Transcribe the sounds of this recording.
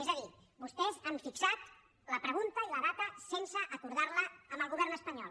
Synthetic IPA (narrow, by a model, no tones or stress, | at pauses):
ɛzəði | bust̪ɛzaɱfiksat̪ | ləpɾəɣ̞unt̪əiləðat̪əsensəʔːkuɾðaɾləəmbəlˠɣuβɛɾnəspəɲɔlˠ